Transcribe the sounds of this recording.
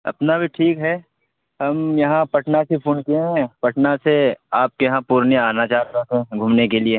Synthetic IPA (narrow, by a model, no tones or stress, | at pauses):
ɐ̰pnabʱiʈʰiːkɦɛː | ɦɐmjɐɦãpɐʈnasepʰuːnkieɦɛ̃pɐʈnaseaːp̚kejɦãpuːɾniaːnat͡ʃaːɾəkɛ̃ɡʱuːmnekelie